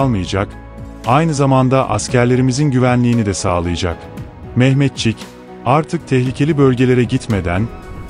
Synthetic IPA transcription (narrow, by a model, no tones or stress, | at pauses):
lˠmɯjad͡ʒak | ajnɯzamand̪aʔascʰæɾlʲe̞ɾimizinɟyvænlʲiːnid̪ɛsa̰ːlˠɯjad͡ʒa̰k | mɛhmɛt̪̚t͡ʃʰic | aɾt̪ʰɯk̚t̪ʰɛçlʲicʰe̞lʲibø̞lʲɟe̞lʲe̞ɾɛɟit̪me̞d̪æn